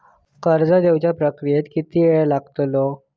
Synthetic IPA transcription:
kəɾd͡zəd̪ewt͡ɕjapɾəkɾijet̪kit̪iːʋeɭlaɡt̪lo

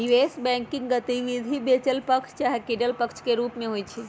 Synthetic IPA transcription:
jueːsbɛ̃ːŋkɪ̃ŋɡɡɐt̪iʋid̪ʱibeːt͡ʃəlpɐkʃʰt͡ʃaːɦekiːɖəlpəkʃkeɾuːpmẽɦoit͡ʃʰi

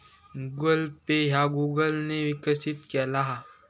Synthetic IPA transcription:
ɡəlpeɦaɡuːɡəlneʋɪkəsɪt̪kelaɦa

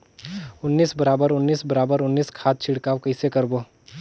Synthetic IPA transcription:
ʊnːiːsbɐɾaːbəɾʊnːiːsbɐɾaːbəɾʊnːiːskʰaːt̪̚t͡ʃʰɪɽkaːʋkɐɪsekɐɾboː

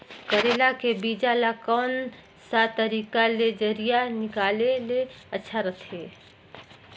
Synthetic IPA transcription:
kəɾeːlakebiːd͡ʒalakɔːn | sat̪əɾiːkaled͡ʒəɾijanɪkaːleleətːʃʰaɾɐt̪ʰeː

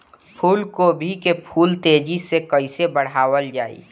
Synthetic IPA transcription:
pʰuːlkobʱikepʰuːlt̪eːd͡ʒisekəɪsebəɽaːʋəld͡ʒaːḭ

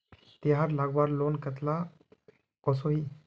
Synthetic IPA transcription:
t̪eɦaɾlaɡʋaɾlonkət̪la | kɔsoɦiː

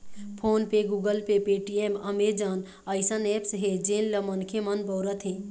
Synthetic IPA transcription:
pʰoːnpeɡuːɡəlpepeʈieməmed͡ʒan | əɪsənepsɦed͡ʒenləmənkʰemənbɔwɾət̪ʰɦẽ

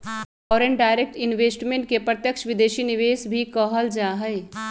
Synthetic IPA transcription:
fɔːɾeɳɖaːɪɾek̚ʈɪnʋeːsʈmẽɳʈ̚kepɾət̪jəkʃʋɪd̪eːʃinɪʋeːsbʱikəɦəld͡ʒaːɦɛɪ

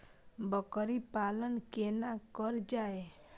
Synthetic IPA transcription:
bɔkɔɾipalənkenakɔɾd͡ʒae

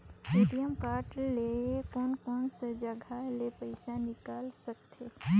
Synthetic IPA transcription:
siːɖijəmkaːʈlekɔːnkɔːnsed͡ʒəɡʱalepɐɪsanɪkaːlsək̚t̪eː

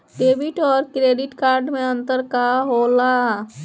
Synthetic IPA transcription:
ɖeːbɪʈɔːɾkɾeːɖɪʈkaːɾɖmẽə̃nt̪əɾkaɦola

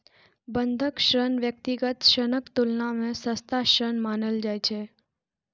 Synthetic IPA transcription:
bənd̪ʱəkʃɾənʋjək̚t̪iɡət̪ʃənəkt̪ulnamẽsəst̪aʃɾənmanəld͡ʒajt͡ʃʰe

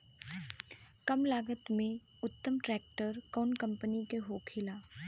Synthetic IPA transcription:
kɐmlaːɡət̪mẽ | ʊt̪ːəmʈɾɛːk̚ʈəɾkɔːnkɐ̃mpənikeɦoːkʰɪlaː

